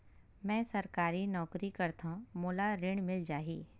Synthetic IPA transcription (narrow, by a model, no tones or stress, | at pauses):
mɛ̃ːsɐɾkaːɾinɔːkɾikɐɾt̪amoːlaɾɪɳmɪld͡ʒaːɦiː